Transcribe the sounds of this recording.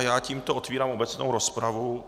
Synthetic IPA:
jaːciːmt̪oot̪viːɾaːmʔobɛt͡snowɾo̞spɾavu

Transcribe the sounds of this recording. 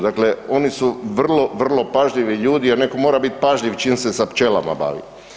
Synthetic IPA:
d̪akle̞o̞nisuʋr̩lˠo̞ʋr̩lo̞paʒʎiʋiʎuːd̪ieɾne̞ko̞mo̞ːɾabit̪paʒʎiʋt͡ʃiːmse̞sapt͡ʃela̰ma̰ba̰ːʋḭ

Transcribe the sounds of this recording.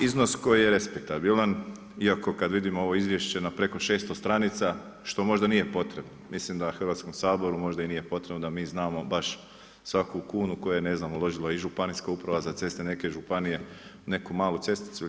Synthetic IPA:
izno̞sko̞jijeɾespek̚t̪abilan | iako̞kad̪ʋid̪imoo̞ʋo̞izʋje̞ʃt͡ɕe̞napɾe̞koʃe̞ːst̪ost̪ɾanit̪sa | ʃt̪o̞mo̞ʒd̪anije̞po̞t̪ɾe̞bnomislimd̪axr̩ʋat̪sko̞msaːbo̞ɾumo̞ʒd̪ainije̞po̞t̪ɾebnod̪amiːznaːmo̞baʃ | sʋakukuːnuko̞jene̞znamulˠo̞ʒilˠaiʒupaniskaupɾaʋazat̪se̞st̪ene̞ke̞ʒupanije̞ | ne̞kumaːlˠut̪se̞st̪i̥t̪su

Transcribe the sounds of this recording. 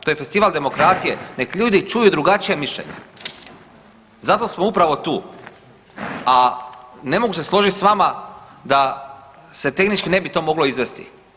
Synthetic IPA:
t̪ojefe̞st̪iʋald̪e̞mo̞kɾat̪sije̞ne̞kʎuːd̪it͡ʃujud̪ɾuɡat͡ʃijemiʃʎḛɲḛ | zat̪o̞smoupɾaʋo̞t̪uː | ane̞mo̞ɡuse̞slˠo̞ʒit̪ʲsʋamad̪a | se̞t̪e̞xnit͡ʃkine̞bit̪o̞mo̞ɡloizʋe̞st̪i̥̰

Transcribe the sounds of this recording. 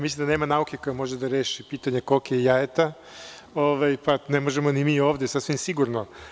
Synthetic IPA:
mislʲimd̪ane̞ːmanaukeko̞jamo̞ʒed̪aɾeːʃipiːt̪aɲekokejaet̪a | oʋajpanemo̞ʒemo̞nimiːoːʋd̪esasʋimsiɡuɾno

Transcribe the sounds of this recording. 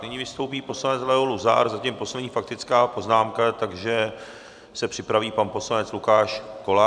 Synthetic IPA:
nɪɲivɪst̪owpiːpo̞slanɛt͡slɛɦoluza̰ɾzacimpo̞slɛdɲiːfak̚t̪ɪt͡skaːpo̞znaːmkat̪aɡʒɛ | sɛpr̝̥ɪpɾaviːpanpo̞slanɛt͡slukaːʃkola

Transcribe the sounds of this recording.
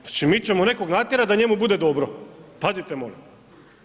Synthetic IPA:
at͡ʃimit͡ɕemone̞koɡnaːt̪ʲjeɾad̪aɲe̞mubud̪e̞d̪o̞bɾopazit̪emoli

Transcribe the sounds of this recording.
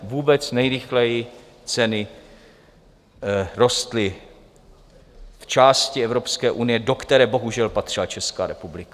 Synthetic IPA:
vuːbɛt͡snɛjɾɪxlɛjɪ | t͡sɛnɪ | ɾo̞st̪lɪ | ft͡ʃaːscɪɛvɾo̞pskɛːʔunɪjɛdo̞kt̪ɛɾɛːbo̞ɦuʒɛlpat̪r̥ɪlat͡ʃɛskaːɾɛpublɪkḁ

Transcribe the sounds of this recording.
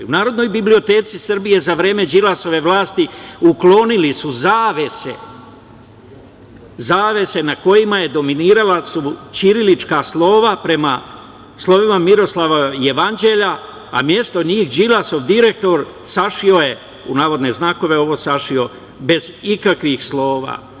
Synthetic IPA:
unaːɾo̞d̪no̞jbiblio̞t̪e̞ːt̪sisr̩bije̞zaʋɾe̞ːme̞d͡ʒilaso̞ʋe̞ʋlˠaːst̪iuklo̞nilisuzaːʋe̞sḛ | zaːʋe̞se̞nako̞jimaje̞d̪o̞miniːɾalasut͡ʃiɾilit͡ʃkaslˠo̞ːʋapɾe̞ma | slˠo̞ʋimamiɾo̞slaʋaje̞ʋand͡ʒe̞ʎa̰ː | mje̞st̪o̞ɲiːxd͡ʒilaso̞ʋd̪iɾe̞k̚t̪o̞ɾ | saʃio̞je̞ | unaːʋo̞d̪ne̞znaːko̞ʋe̞o̞ʋo̞ːsaʃio̞ | be̞zikakʋixslo̞ːʋa̰ː

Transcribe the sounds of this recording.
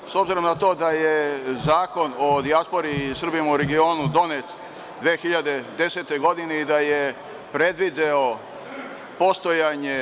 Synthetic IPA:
sobziɾo̞mnat̪o̞ːd̪ajezaːko̞nod̪iaspo̞ɾisr̩bijemauɾeɡio̞ːnud̪o̞net̪ | d̪ʋeːxiʎad̪e̞d̪e̞se̞t̪e̞ɡo̞d̪ineid̪aje | pɾe̞d̪ʋid̪eo | po̞st̪o̞jaɲe

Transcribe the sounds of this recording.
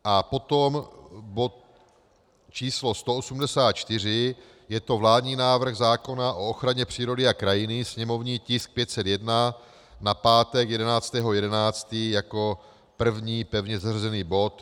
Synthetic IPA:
ʔapo̞t̪o̞mbo̞t̪̚ | t͡ʃiːslo̞st̪oosumdɛsaːt̪̚t͡ʃt̪ɪr̝ɪ | jɛt̪o̞vlaːdɲiːnaːvr̩ɣzaːko̞naʔo̞oxɾaɲɛpr̝̥iːɾo̞dɪakɾajɪnɪsɲɛmo̞vɲiːcɪsk̚pjɛt̪sɛt̪jɛdna | napaːt̪ɛkjɛdɛnaːt͡st̪ɛːɦo̞jɛdɛnaːt͡st̪iːjako̞ | pr̩vɲiːpɛvɲɛzarzɛniːbo̞t̪

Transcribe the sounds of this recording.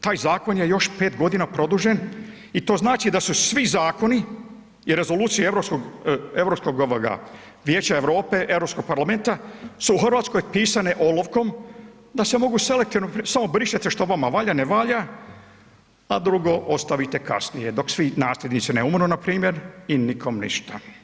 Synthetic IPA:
t̪aːjzaːko̞njejo̞ʃpe̞ːt̪ɡo̞d̪inapɾo̞d̪uʒen | it̪o̞ːznaːt͡ʃid̪asusʋizaːko̞ni | iɾe̞zo̞luːt̪sijeeʋɾo̞psko̞ɡeʋɾopsko̞ɡoʋoɡa̰ | ʋje̞ːt͡ɕaeʋɾo̞ːpe̞ʔeʋɾopsko̞ɡ̚paɾlame̞nt̪asuːxr̩ʋaːt̪sko̞jpiːsaneʔo̞loʋko̞m | d̪ase̞mo̞ɡuse̞le̞k̚t̪iʋnopsamo̞bɾiʃet̪eʃt̪o̞ʋamaʋaːʎaneʋaːʎa | ad̪ɾuɡo̞ʔost̪aʋit̪eka̰snijed̪o̞ksʋinaːslʎʲe̞d̪nit̪sineumɾnonapɾiːmje̞ɾinikʰo̞mnḭʃt̪a

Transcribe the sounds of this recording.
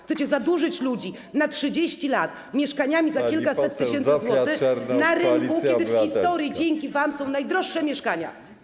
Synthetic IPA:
xt̪ɛt͡ɕɛzad̪uʐɘt͡ɕlud͡ʑi | natʂɘd͡ʑeɕt͡ɕilat̪ | mʲjɛʂkaɲamʲizakʲilkasɛt̪ːɨɕɛnt̪ɨzwɔt̪ɪxnaɾɪkukʲɛd̪ɘfxist̪ɔɾʲjid͡ʑeŋkʲivamsɔ̃w̃najd̪ɾɔʂːɛmʲjɛʂkaɲa̰

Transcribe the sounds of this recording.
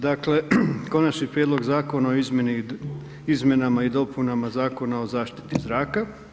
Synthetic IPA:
d̪akle̞ko̞nat͡ʃnipɾjed̪lo̞ɡzaːko̞naoizmjeni | izmʲje̞namaid̪o̞punamazaːko̞nao̞zaːʃt̪i̥t̪izɾaːka

